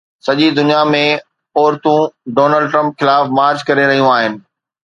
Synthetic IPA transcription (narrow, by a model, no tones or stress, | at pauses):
sɐʄid̪ʊnijamẽ | ɔːɾt̪ũɖoːnəlɖʈɾə̃mpxɪlaːfmaːɾd͡ʑkɐɾeɾɐɦijũaːɦɪnɪ̆